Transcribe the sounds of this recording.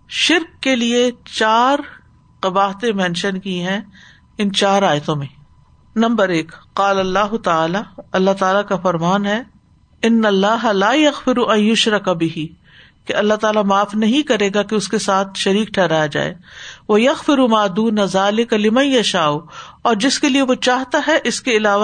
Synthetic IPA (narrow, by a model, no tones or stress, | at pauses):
ʃɪɾkːeliet͡ʃaːɾ | qɐbaːɦt̪ẽmɛ̃ːnʃənkiɦɛ̃ | ɪnt͡ʃaːɾaːjt̪õmẽ | nɐ̃mbəɾeːkqaːlɐlːaːɦʊt̪ɐaːlaɐlːaɦt̪aːlakafɐɾmaːnɦɛ | ɪnːɐlːaːɦɐlaːjɐɣfɪɾuʔɐ̃njʊʃɾɐkabɪɦi | keɐlːaɦt̪aːlamaːfnɐɦĩkɐɾeːɡakeʊskesaːt̪ʰʃɐɾiːkʈʰɛɦɾaːjad͡ʒa̰ːḛːʋɐjɐɣfɪɾumaːd̪uːnazaːlɪkalɪmɐ̃jjɐʃaːu | ɔːɾd͡ʒɪskelieʋot͡ʃaːɦt̪aɦɛʔɪskeɪlaːʋa